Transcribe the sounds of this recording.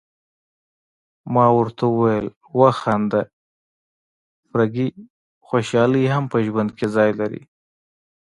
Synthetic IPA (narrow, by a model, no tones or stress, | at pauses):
mɑwəɾt̪ʰaʊwajəl | waxand̪a | fɾaɡi | xoʃɑliɦampəʒwand̪̚kʰezɑjlaɾḭ